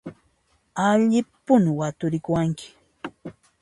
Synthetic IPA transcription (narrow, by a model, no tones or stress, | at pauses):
aʎɪpʊnwat̪ʊɾɪkʊwaŋkʰɪ̥